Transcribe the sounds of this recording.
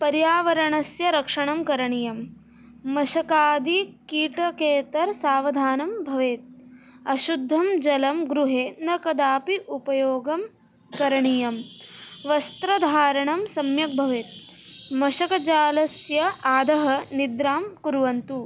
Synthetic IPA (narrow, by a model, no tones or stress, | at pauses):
pɐɾjaːʋɐɾɐɳɐsjɐɾɐkʂɐɳɐmkɐɾɐɳijɐmː | ɐʃɐkaːd̪ikiːʈɐkeːt̪ɐɾsaːʋɐd̪ʱaːnɐmbʱɐʋeːt̪̚ɐʃud̪ʱːɐmd͡ʒɐlɐmɡɾuɦeːnɐkɐd̪aːpiʔupɐjoːɡɐm | kɐɾɐɳijɐmʋɐst̪ɾɐd̪ʱaːɾɐɳɐmsɐmjɐk̚bʱɐʋeːt̪̚mɐʃɐkɐt͡ʃaːlɐsjɐʔaːd̪ʱɐɦɐnid̪ɾaːmkuɾʋɐnt̪u